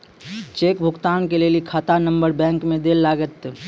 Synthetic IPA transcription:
t͡ʃeːkbʱʊɡt̪aːnkelelikʰaːt̪anɐ̃mbəɾbɛ̃ːŋkmẽd̪eːlːaːɡət̪

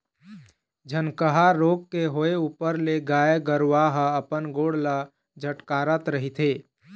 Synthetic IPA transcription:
d͡ʒʱənkəɦaɾoːɡkeɦoːeuːpəɾleɡaːjeɡəɾʋaɦəpənɡoːɽla | d͡ʒʱəʈkaːɾət̪ɾəɦit̪ʰeː

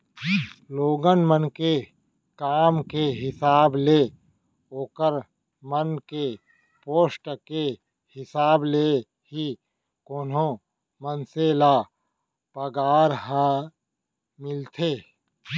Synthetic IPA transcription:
loːɡənmənke | kaːmkeɦɪsaːble | oːkəɾ | mənke | poːsʈke | hɪsaːble | ɦi | koːnõ | mənseːla | pəɡaːɾɦa | mɪlt̪ʰeː

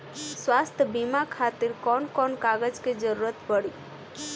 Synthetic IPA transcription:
swast̪ʰəbimakʰat̪iɾkɔnkɔnkaɡəd͡ʒked͡ʒəɾuɾət̪bəɽi

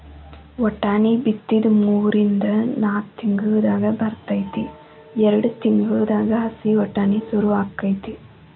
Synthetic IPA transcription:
wɔʈːaːnibit̪ːid̪muːɾind̪ɐnaːt̪iŋɡuʋɐd̪aːɡɐbɐɾt̪ɐjt̪i | ɛɾɐɽut̪iŋɡuʋɐd̪aːɡɐɦɐsiɔʈːaːnisuɾuʋaːkːɐjt̪i

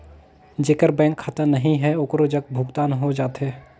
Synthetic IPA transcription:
d͡ʒeːkəɾbɛ̃ːŋkʰːat̪ənɐɦĩɦɛoːkɾod͡ʒɐɡbʱʊɡt̪aːnɦod͡ʒaːt̪ɦɛː

